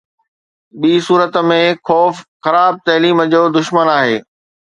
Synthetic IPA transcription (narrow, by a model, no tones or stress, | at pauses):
ɓiːsuːɾət̪mẽxɔːfxɐɾaːb̚t̪ɐɦliːməd͡ʑoːd̪ʊʃmənaːɦeː